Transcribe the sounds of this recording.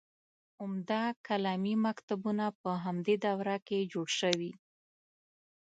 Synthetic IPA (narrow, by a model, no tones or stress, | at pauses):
ʊmd̪akalɑmimakt̪abunapəɦamd̪ed̪awɾaked͡ʒoɽʃəwi